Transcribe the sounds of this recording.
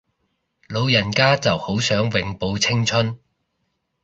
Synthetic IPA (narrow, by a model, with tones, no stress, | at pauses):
lo˨˧wjɐ˨˩nkaː˥t͡sɐ˨who˨˥wsœː˨˥ŋwɪ˨ŋpo˨˧wt͡sʰɪ˥ŋt͡ʃʰɵ˥n